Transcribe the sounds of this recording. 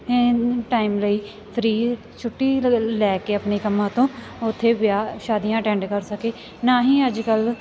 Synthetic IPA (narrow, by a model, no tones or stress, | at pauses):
eːʈaːimləiː | pʰɾiː | t͡ʃʰʊʈːiːlɛːkeːəpneːkəmːãːt̪õː | ʊt̪ʰːeːbɪjaːʃaːd̪iːãːʈɛ̃ːɳɖkəɾsəkeː | naːɦiːəd͡ʒkəl